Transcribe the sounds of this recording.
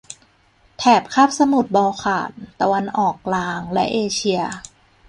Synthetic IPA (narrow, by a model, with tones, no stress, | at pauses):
t̪ʰɛː˨˩p̚kʰaː˥˩p̚sa˧mu˨˩t̪̚bɔː˧wkʰa̰ː˨˩nt̪a˧wa˧nʔɔː˨˩k̚laː˧˥ŋlɛ˦˥ʔeː˧t͡ɕʰi˧ɐ